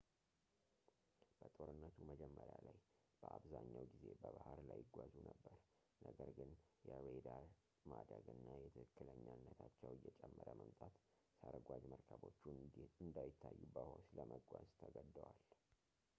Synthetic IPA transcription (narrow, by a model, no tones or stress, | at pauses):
b̥ət̪ʼo̞ɾɨnːət̪ʰuməd͡ʒɛmːəɾjalaj | b̥əʔaβzaɲːawɡize̞bəβahaɾlajɪɡʷazunəbːəɾ | nəɡəɾɡɨnjɛwed̪aɾ | mad̪əɡɨnːajɛt̪ʰɨkɨkːɨləɲːanːət̪ʰat͡ʃːɛwɪjːɛt͡ʃʼɛmːəɾjəməmt̪ʼat̪ | səɾəɡʷad͡ʒməɾkʰəbo̞t͡ʃːuɨnd̪ajɪt̪ʰːajːubəhosləmʔəɡʷazt̪ʰəɡəd̪ːəwal